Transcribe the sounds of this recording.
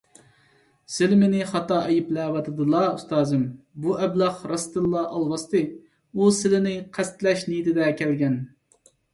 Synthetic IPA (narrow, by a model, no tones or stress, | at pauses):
sɪlmɪnɪχɑt̪ɑʔɛjiplæːwɑt̪ʰɨd̪ɨlˠɑust̪ɑːzɨm | buʔɛblˠɑχɾɑst̪ɨlˠːɑʔɑlˠwɑst̪ɨ | usɪlɪnɪqʰæst̪lɛʃnijt̪ʰɪd̪ɛkʲʰɛlɡʲɛn